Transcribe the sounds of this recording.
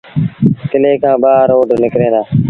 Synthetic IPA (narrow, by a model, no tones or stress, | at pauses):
kɪleːkʰãːɓaːɾoːɖnɪkɾẽːd̪aː